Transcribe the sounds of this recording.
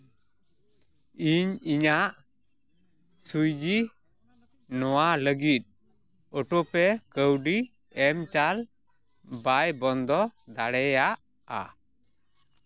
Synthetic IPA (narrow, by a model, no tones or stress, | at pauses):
iɲiɲaʔ | sujd͡ʒi | nɔwaləɡit̪̚ | ɔʈopɛkəwɖi | ɛmt͡ʃal | bajbɔnd̪ɔd̪aɽɛjaʔ | a̰